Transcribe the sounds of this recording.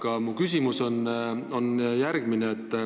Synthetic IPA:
kɑmukysʲimuso̞no̞njærɡ̥mineːt̪ːˑ

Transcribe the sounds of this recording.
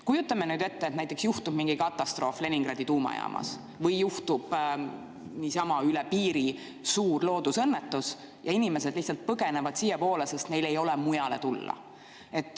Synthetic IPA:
kujut̪ːˑɑmenyːd̪e̞t̪ːeːt̪næjt̪ːˑeksjuht̪ub̥miŋɡikɑt̪ːˑɑst̪ro̞ːfle̞niŋɡ̥rɑd̪it̪uːmɑ̰jɑ̰ːmʔɑ̰s | vɤjːuht̪ub̥ | niːsɑmɑylɛpiːɾi | suːrlo̞ːd̪usɤnːet̪ːus | jɑinime̞se̞d̪liht̪sɑlt̪̚pɤɡe̞nevɑd̪̥siːjepo̞ːlese̞st̪ne̞jle̞jo̞lemujɑle̞t̪ulːɑ̰ | e̞t̪ːˑ

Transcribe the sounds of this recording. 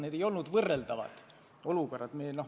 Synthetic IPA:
neːd̪ejo̞lnud̪̥vɤrːeld̪ɑvɑ̰d̪̥ | o̞luko̞rːɑd̪̥meːno

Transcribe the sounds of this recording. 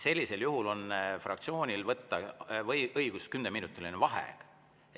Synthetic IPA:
se̞lʲːise̞ljuɦulo̞nfrʔɑ̰kt̪sio̞ːnʲilvɤt̪ːɑɤjɤjɡ̥uskynd̪eminut̪ːˑilinevɑɦḛk

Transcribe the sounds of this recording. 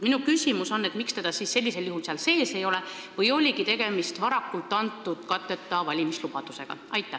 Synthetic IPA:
minukysʲimuso̞nːe̞t̪mikst̪e̞d̪̥ɑsiːsːe̞lʲːise̞ljuhulseɑlse̞ːse̞jo̞lɛ | vɤjo̞lʲiɡit̪e̞ɡ̥e̞mist̪vɑɾɑkːˑult̪ːˑɑnt̪ːˑud̪̥kɑt̪ːˑet̪ːˑɑvɑlʲimislub̥ɑd̪̥use̞ɡ̥ɑ̰ʔɑjt̪ːæ

